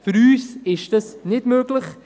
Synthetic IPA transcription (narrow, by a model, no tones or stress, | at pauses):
fʏɾyːsɪʃtəsnɪdmøːɡləχ